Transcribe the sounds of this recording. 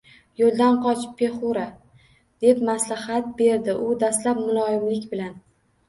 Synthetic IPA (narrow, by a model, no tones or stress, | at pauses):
jolˠd̪anqʰɒt͡ʃʰpʰːe̞χuɾa | d̪̥epmaslahat̪̚be̞ɾd̪ɪʔʊd̪ast̪lapmʊlˠɒɪmlɪkʲbɪlan